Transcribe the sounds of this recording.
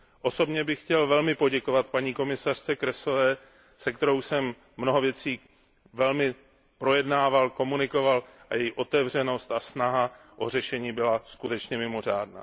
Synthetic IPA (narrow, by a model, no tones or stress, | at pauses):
ʔo̞so̞bɲɛbɪxːcɛlvɛlmɪpo̞ɟɛko̞vat̪̚paɲiːko̞mɪsar̝̥t͡sɛkɾɛso̞vɛː | sɛkt̪ɛɾowsɛmː | no̞ɦo̞vjɛt͡siː | vɛlmɪ | pɾo̞jɛdnaːvalko̞munɪko̞valʔajɛjiʔo̞t̪ɛvr̝ɛno̞st̪asnaɦa | ʔo̞r̝ɛʃɛɲiːbɪlaskut̪ɛt͡ʃɲɛmɪmo̞r̝a̰ːdna̰ː